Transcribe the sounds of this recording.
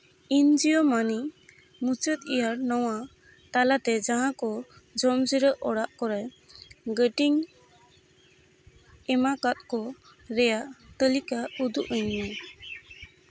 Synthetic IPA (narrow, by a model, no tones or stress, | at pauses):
ind͡ʒijɔmani | mut͡ʃət̪̚ijaɾnɔwa | t̪alat̪ɛd͡ʒaɦãkɔd͡ʒɔmd͡ʒəɾəʔɔɽaʔkɔɾɛj | ɡəʈiŋ | ɛmakat̪̚kɔ | ɾɛjaʔt̪əlikaud̪uʔəɲna